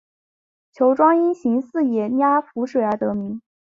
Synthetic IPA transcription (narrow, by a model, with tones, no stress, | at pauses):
t͡ɕʰjo˧˥ʊʈ͡ʂwɑ˥ŋi˥nɕi˧˥ŋsɹ̩˥˩jɛ˨˩nja˥fu˧˥ʂwe˨˩ə˞˧˥t̪ɤ˧˥mi˧˥ŋ